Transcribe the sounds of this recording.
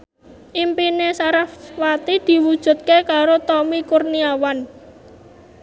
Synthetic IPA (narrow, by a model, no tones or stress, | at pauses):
ʔimpinesaɾafwat̪id̪̥i̤wud̥ʒ̥ṳt̪̚kekaɾot̪ɔmikurniawan